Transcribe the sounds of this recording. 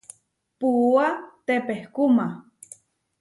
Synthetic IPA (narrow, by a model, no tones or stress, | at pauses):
puat̪epehkuma